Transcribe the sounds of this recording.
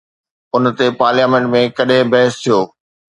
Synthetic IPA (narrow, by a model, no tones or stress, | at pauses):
ʊnt̪epaːɾljaːmẽɳʈmẽkɐɗɦẽbɛɦɪst̪ʰijoː